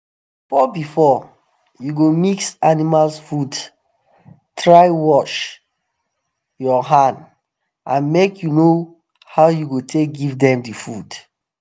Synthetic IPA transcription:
fɔbifɔ | juɡomiksanimalsfud | tʰɹaɪwɔt͡ʃ | jɔɦãnd | ʔãnmekjuno | haʊjuɡotʰek̚ɡivdɛ̃mdifud̥

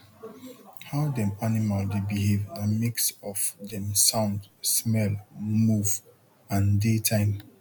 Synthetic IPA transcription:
haʊdɛ̃manimaldebiɦevdamiksɔfdɛ̃msãʊ̃ndsmɛlmuv | ãndetʰãɪ̃m

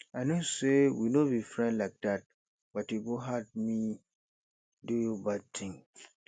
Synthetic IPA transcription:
anõsewinõbifɹɛ̃ndlaɪk̚dat̚ | b̥atuɡoɦad̚mĩ | dujobad̚tʰɪ̃ŋ

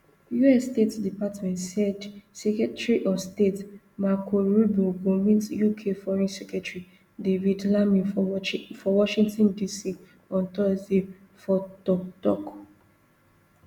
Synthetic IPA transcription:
juɛstetdipatmɛ̃ntsɛdsɛkɛtɹiʔɔstet | makʰoɹubuɡomĩntjukʰefɔɹɛ̃nsɛkɹɛtɹi | devidlamĩ | fɔwɔʃĩŋtɔ̃ndisi | ɔ̃ntɔze | fɔtɔtɔk

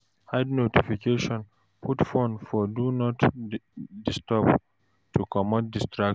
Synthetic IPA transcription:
hadnotifikʰeʃɔ̃n | pʰutfɔ̃nfɔdunɔt | distɔp | tʰukɔmɔt̚distɾak

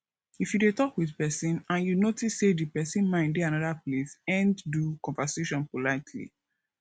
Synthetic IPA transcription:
ifjudetɔkwiðpɛsĩnãnjunotisːedipɛsĩnmãɪ̃ndeãnɔðaplesɛ̃nddukɔ̃ɱvaseʃɔ̃npolaɪtʰlḭ

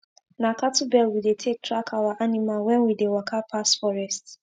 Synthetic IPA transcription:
nakatʊbɛlwidetʰek̚tɾakʰawaʔanimalwɛ̃nwidewakʰapʰasfɔɾɛst

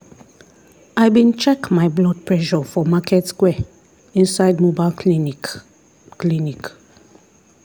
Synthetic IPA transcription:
ajbĩnt͡ʃɛkmaɪblɔd̚pʰɹɛʃɔfɔmakʰɛtskwɛ | ĩnsaɪdmobal | klinik

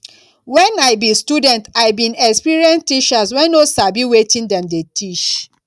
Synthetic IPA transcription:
wɛ̃naɪbistudɛ̃ntaɪbĩnɛkspiɹiɛ̃nstiʃaswɛ̃nosabiwetĩndɛ̃mdetʰit͡ʃ

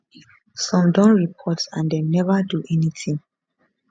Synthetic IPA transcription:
sɔ̃mdɔ̃nɹipʰɔtsãndenɛvaduʔɛnitʰĩŋ

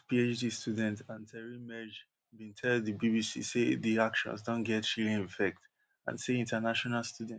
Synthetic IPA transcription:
piet͡ʃdistʰudɛ̃ntãntʰɛɹimɛd͡ʒ | bĩntʰɛldðibibisḭsediakʃɔ̰̃nsdõnɡɛtʃilĩŋĩfɛk̚t | ã̰nseĩntənaʃɔnalstudɛ̃n

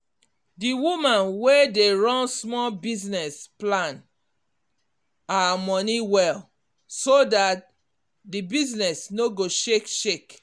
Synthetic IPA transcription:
diwumãnwedeɹɔ̃nsmɔlbiznɛsplãn | amɔniwɛl | sodat̚ | dibiznɛsnoɡoʃekʃek

